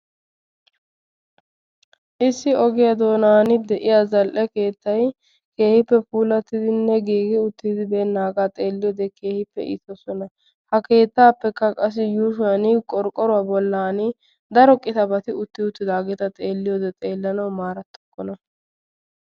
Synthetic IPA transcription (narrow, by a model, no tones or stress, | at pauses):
ʔɪsːɪɔɡɛjɐd̪o̞ːnaːnɪd̪ɛʔɪjazɐlʔɛke̞ːt̪ːɐj | ke̞ːhɪpːɛpuːlɐt̪ːɪd̪ɪnːɛɡiːɡɪʊt̪ːɪd̪ɪbɛːnːaːɡat̪ʼe̞ːlːɪjɔd̪ɛkʰe̞ːhɪpːɛ̰ʔɪ̰t̪ɔsɔnɐ | hɐke̞ːt̪ːaːpːɛkːɐkʼɐs̬ɪjuːʃʊanɪkʼɔɾkʼɔɾʊwabɔlːaːnɪ | d̪ɐɾɔkʼɪt̪ɐbɐt̪ɪʊt̪ːɪʊt̪ːɪd̪aːɡɛt̪ɐt̪ʼe̞ːlːɪjɔd̪ɛt̪ʼe̞ːlːɐnɐwmaːɾɐt̪ːɔkʼːɔnɐ